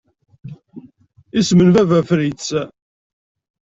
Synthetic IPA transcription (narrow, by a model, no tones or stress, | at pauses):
ismənvævæfɾit͡sː